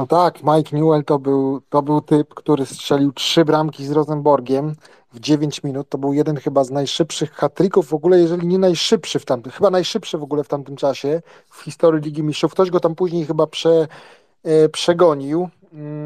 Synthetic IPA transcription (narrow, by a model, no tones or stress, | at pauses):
nɔt̪akmajkɲʲuɛlt̪ɔbɘwt̪ɔbɘwt̪ɘpkt̪uɾɘstʂɛlʲiwtʂɘbɾamkʲizɾɔzɛmbɔɾɡʲɛm | vd͡ʑevʲjeɲʲt͡ɕmʲinut̪ːɔbɘwjɛd̪ɛnxɘbaznajʂɘpʂɘxːat̪ɾʲikuvːɔɡulɛjɛʐɛlʲiɲɛnajʂɘpʂɘft̪amt̪xɘbanajʂɘpʂɘvɔɡulɛft̪amt̪ɘmt͡ʂaɕɛ | fxʲist̪ɔɾjilʲiɡʲimʲiʂufkt̪ɔʑɡɔt̪ampuʑɲejxɘbapʂɛ | pʂɛɡɔɲiw